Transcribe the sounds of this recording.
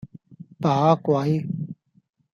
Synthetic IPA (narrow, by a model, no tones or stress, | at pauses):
paɦaːkwaːi